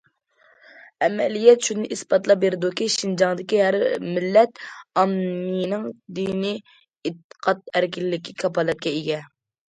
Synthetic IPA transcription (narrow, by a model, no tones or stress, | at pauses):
ɛmɛlijɛt̪ʃunɨʔispɑt̪lˠɑbeɾɪd̪ukʲiʃind͡ʒɑŋd̪ɪkʲiɦæɾmɪlːɛt̪ɑmnijnɪŋd̪ini | ɪt̪ːqʰɑt̪̚æɾkʲilɪːɪkʲikʲʰɑpɑlɛt̪̚kʲɛiɡʲɛ